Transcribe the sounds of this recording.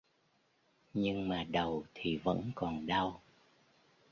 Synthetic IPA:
ɲɨ˧ŋmaː˨˩ɗə˨˩wt̪ʰi˨˩və̰˧˥nkɔ˨˩nɗa˧w

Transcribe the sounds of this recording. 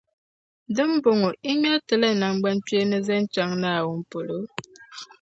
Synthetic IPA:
n˦də˦m̩˦bo˨ŋo˨ʔi˦ma˦tə˨lɛ˦na˨ŋ˦ɡ͡ba˦n˦tɥe˦nə˦zɛ˦n̩˦t͡ʃa˨˦ŋna˦a˨wo˨m̩˨po˨lo˨˦

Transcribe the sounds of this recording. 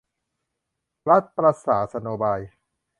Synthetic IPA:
ɾa˦˥t̪̚pɾa˧saː˩˦sa˧noː˧baː˧j

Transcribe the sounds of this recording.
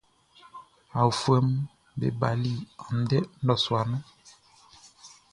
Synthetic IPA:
a˨u˨fwɛ˦m | bḛ˨ba˨li˦˨a˨n̩˨dɛ˦n̩˦dɔ˦˨swa˨nɛ˦

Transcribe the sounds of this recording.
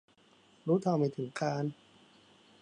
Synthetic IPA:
ɾuː˦˥t̪ʰaː˧wma˧˩t̪ʰɯ˩˦ŋkaː˧n

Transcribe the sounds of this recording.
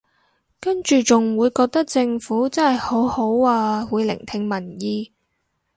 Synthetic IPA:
kɐ˥nt͡ʃyː˨t͡sʊ˨ŋwuː˨˧jkɔː˧k̚t̪ɐ˥k̚t͡sɪ˧ŋfuː˨˥t͡sɐ˥nhɐ˨jho˨˥who˨˥waː˧wuː˨˧jlɪ̰˨˩ŋt̪ʰɪ˧ŋmɐ˨˩njiː˧

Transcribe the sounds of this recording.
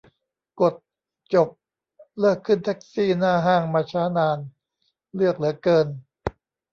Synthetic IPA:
ko˨˩t̪̚ | t͡ɕo˨˩p̚ | lɤː˥˩kʰːɯ˥˩nt̪ʰɛ˦˥k̚siː˥˩naː˥˩ɦaː˥˩ŋmaː˧t͡ɕʰaː˦˥naː˧n | lɯ˥˩ək̚lɯ˩˦əkɤː˧n

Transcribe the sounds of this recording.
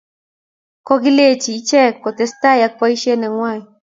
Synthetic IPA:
kɔ˦ɡɪ˦le˦t͡ʃiː˨˦t͡ʃɛ˦kːɔ˨t̪ɛ˨st̪a˦ja˦k̚pa˦i˦ʃe˦nɛ˨ŋwa˦˨

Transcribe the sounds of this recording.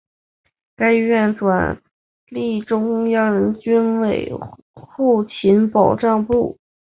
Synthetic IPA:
ka˥ɪ˧ɥɛ˥˩nʈ͡ʂwa̰˨˩n | li˥˩ʈ͡ʂʊ˥ŋjɑ˥ŋɻə˧˥nt͡ɕy˥nwe˨˩ɪ | xu˥˩t͡ɕʰi˧˥npɑ˨˩ʊʈ͡ʂɑ˥˧ŋpu˥˩

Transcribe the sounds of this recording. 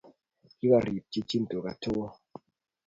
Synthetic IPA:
ki˦ɓa˦ɾi˨p̚t͡ʃi˦t͡ʃi˦n̩˨to˨ka˨tʰo˦ɣɔ˦

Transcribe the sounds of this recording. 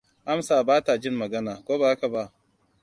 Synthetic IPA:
ʔa˦msaː˨baː˦ta˨d͡ʒɪ˦mːɐ˨ɡɐ˦naː˨kʷoː˦baː˨ʔa˦ka˨ba˦˨ʔ

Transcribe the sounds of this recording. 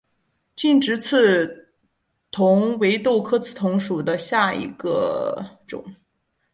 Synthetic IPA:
t͡ɕi˥˩nʈ͡ʂɻ̩˧˥t͡sʰɹ̩˥˩ | t̪ʰʊ˧˥ŋwe˧˥ɪt̪o˥˧ʊkʰɤ˥t͡s̩ʰ˥˩t̪ʰʊ˧˥ŋʂu˨˩d̪ə˦ɕja˥˩ḭ˧˥ɡə̰˧ʈ͡ʂʊ̰˨˩˦ŋ

